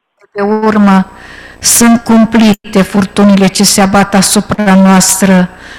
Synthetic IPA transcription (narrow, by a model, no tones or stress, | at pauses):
d̪eurmə | sunt̪̚kumplit̪e̞furt̪unele̞t͡ʃe̞seabat̪asupɾanoast̪ɾə